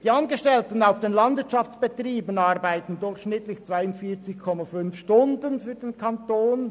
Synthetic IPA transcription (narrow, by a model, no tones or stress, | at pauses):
d̥iːɑnɡəʃtɛltən̩aʊfd̥enlɑndv̥ɪɐt͡ʃɑft͡sb̥et̪riːbənɑʁbaɪtən̩dʊçʃnɪtlɪçt͡sv̥aɪʊntfiːt͡sɪçkʰɔmafʏnfʃtʊndənfyːɾd̥enkʰɑntoːn